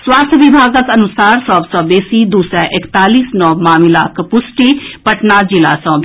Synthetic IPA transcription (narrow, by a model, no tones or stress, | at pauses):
swaːst̪ʰʋɪbʱaːɡəkənʊsaːɾsɔːbsɔːbeːsiːd̪uːsɾɛːʔɪkt̪aːliːsnɔːmaːmɪlaːkpʊsʈiːpəʈnaːd͡ʒɪla̰ːsɔ̃ːb